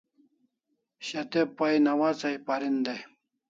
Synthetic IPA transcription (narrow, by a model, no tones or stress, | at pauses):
ɕɐt̪epːɐjnɐwat͡sɐjpaɾind̪e